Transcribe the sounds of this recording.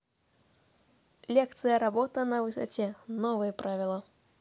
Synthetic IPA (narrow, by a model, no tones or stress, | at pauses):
lʲɛkt̪sɨjɐɾabɔt̪ɐnɐvɨsa̰t͡sʲɛnɔvɨjɛpɾʔavʲilˠɐ